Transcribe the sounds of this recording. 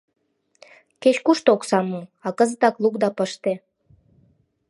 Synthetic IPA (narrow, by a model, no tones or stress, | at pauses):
ket͡ɕkuʃt̪oksɑmuɑkəzət̪ɑklˠukd̪ɑpəʃt̪e